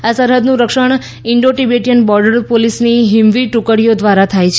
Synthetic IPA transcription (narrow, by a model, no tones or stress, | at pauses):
asəɾɦəd̪nũɾəkʃəɳ | ɪɳɖoʈibeʈijənbɔɾɖəɾpolisniɦimʋiʈukəɽijod̪ʋaɾat̪ʰajt͡ʃʰ